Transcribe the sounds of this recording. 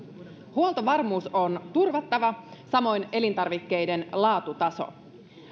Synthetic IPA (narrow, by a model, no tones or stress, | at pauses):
huolˠt̪oʋɑrmuːso̞nt̪urʋɑt̪ːɑʋɑsɑmo̞jne̞lint̪ɑrʋikːe̞jde̞nlɑːt̪ut̪ɑso̞̰